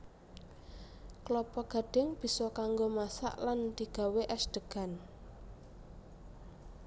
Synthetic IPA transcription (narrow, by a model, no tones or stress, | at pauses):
klɔpɔɡ̥ä̤ɖ̥ɪ̤ŋb̥i̤sɔkaŋɡomasa̰ʔland̪̥i̤ɡ̥a̤weʔɛsd̪̥əɡ̥a̤n